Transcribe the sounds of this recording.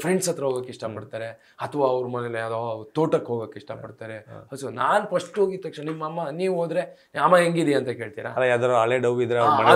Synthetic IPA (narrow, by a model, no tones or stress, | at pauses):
pʰɾeɳɖsɐt̪ɾɐɦoːɡaːkːeʂʈɐpɐɽt̪aːɾe̞ | ɐt̪ʰɐʋaːɐʋɾmɐneleɐt̪at̪oːʈɐkɦoːɡaːkːeiʂʈɐpɐɽt̪aːɾeɐsonaːnpɐʂʈoːɡit̪ːɐkʂnɐnimːɐmːɐniːʋoːd̪ɾe̞ | ɐmːɐɦeŋɡid̪iɐnt̪ɐke̞ːɭt̪iːɾa̰ɐlajad̪aɾɐɭeɖɐʋid̪ɾeɐɾmɐne